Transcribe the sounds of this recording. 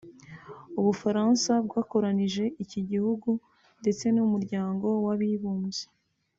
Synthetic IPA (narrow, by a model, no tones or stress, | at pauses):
uβufaɾansabɡaːko̞ɾaniʒe̞ʔiciɟihuɡu | nde̞t͡se̞numuɾɟaːŋɡo̞waβiβuːmze̥